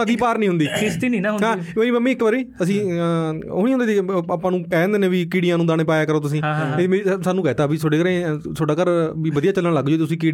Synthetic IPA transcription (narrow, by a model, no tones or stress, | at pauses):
ad̪iːpaːɾnĩɦʊnd̪iːkɪst̪iːnĩːnãɦʊɦãːmeːɾiːməmːĩːɪkbəɾiːəsĩː | oːniːɦʊndeːiaːpãːnũːkɛ̃ːnd̪eːnẽːʋiːkiːɽijãːnũːd̪aːɽ̃eːpaːjaːkəɾoːt̪ʊs̬ĩːemesaːnũːkɛːt̪aːbiːsoɖeːkəɾẽːsʰoːɖaːkəɾʋiːʋəd̪ijaːt͡ʃəlːəɳləɡd͡ʒoːt̪ːet̪ʊsĩːkiː